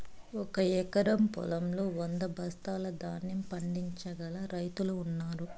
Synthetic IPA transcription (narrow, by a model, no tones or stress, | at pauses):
ɔkɐjɛkɐɾɐmpɔ̰lɐmloːɔnd̪ɐbʱɐst̪aːlɐd̪aːnːimpɐɳɖiɲt͡ʃɐɡɐlɐɾɐjt̪uluːnːaːɾu